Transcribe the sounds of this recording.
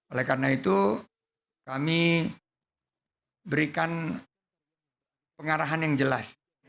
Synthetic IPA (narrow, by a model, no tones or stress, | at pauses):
olɛhkarənait̪u | kami | bəɾikan | pəŋaɾaɦanjaŋd͡ʒəlas